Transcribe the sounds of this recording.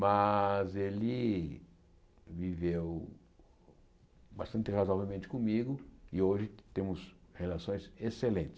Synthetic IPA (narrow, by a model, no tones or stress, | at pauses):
mɐzelɪ | vivew | bast̪ɐ̃nt̪ɪhazwavewmẽnt̪ɪ̥kõmiɡʊɪoʒɪt̪ẽmʊshelasõj̃seselẽt̪ɪ̥s